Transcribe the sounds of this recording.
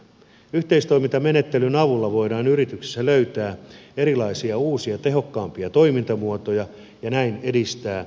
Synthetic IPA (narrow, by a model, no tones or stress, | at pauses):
yht̪eist̪oimint̪ɑmenet̪ːelynɑʋulːɑʋoidɑːnyrit̪yksi̥sːæløyt̪æːeɾilɑisiɑuːsiɑt̪e̞ɦo̞kːɑːmpiɑt̪oimint̪ɑmuot̪ojɑ | jɑnæinedist̪æː